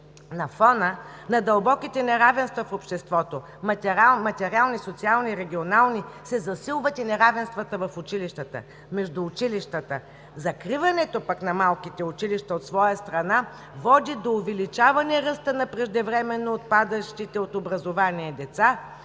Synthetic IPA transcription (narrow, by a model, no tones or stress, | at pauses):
nɐfɔnənɐd̪ɐlˠbɔkit̪ɛnɛɾavɛnst̪vɐfopʃt̪ɛst̪vɔt̪o | mt̪ɛamɐt̪ɛɾialˠnisot̪sialˠniɾɛɡʲionalˠnisɛzɐsilˠvət̪inɛɾavɛnst̪vət̪əvɐfʊt͡ʃiliʃt̪ət̪ə̰ | mɛʒd̪ʊːt͡ʃiliʃt̪ət̪ə | zɐkɾivɐnɛt̪opɐknɐmalˠkit̪ɛʊt͡ʃiliʃt̪əot̪svɔjəst̪ɾɐna | vɔd̪id̪oːvɛlit͡ʃavɐniɛɛɾəst̪ənɐpɾɛʒd̪ɛvɾɛmɛnːoːt̪̚pad̪əʃt̪it̪ɛot̪obɾɐzovaniɛd̪ɛt̪sa